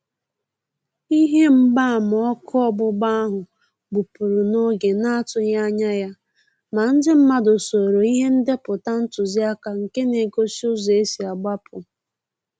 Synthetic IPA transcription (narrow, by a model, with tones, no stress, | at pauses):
i˦ɦe˦m̩˦ba˦˨m˨ɔ˦kʰɔ˦ɔ˦bʊ˦ɡ͡ba˦a˦ɦʊ˨ | ɡ͡bu˨pu˨ɾu˨no˦ɡe˨na˦a˦tʊ˦ja˦ɲa˦ja˦ | ma˨n̩˦dɪ˦m̩˦ma˦dʊ˨so˨ɾo˨i˦ɦe˦n̩˦de˦pʊ˨ta˦n̩˦tʊ˨zi˦a˦ka˨ŋ̩˨ke˦ne˨ɡo˦si˦ʊ˦ze˦si˨a˨ɡ͡ba˦pʰʊ˨